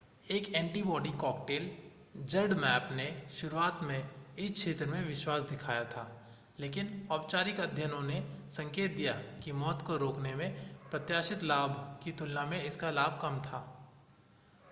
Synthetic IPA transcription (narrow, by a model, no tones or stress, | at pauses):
eːkɛ̃ːɳʈibɔːɖikɔːk̚ʈeːl | d͡ʒɐɾɖmɛːpneʃʊɾuaːt̪mẽɪsʃʰeːt̪ɾəmẽʋɪʃwaːsd̪ɪkʰaːjat̪ʰaː | leːkɪnɔːbt͡ʃaːɾɪkɐd̪ʱjənõnesɐ̃ŋkeːt̪̚d̪ijakimɔːt̪koɾoːknemẽpɾɐt̪jaːʃɪt̪laːbʱkit̪ʊlnamẽɪskalaːbʱkɐmt̪ʰaː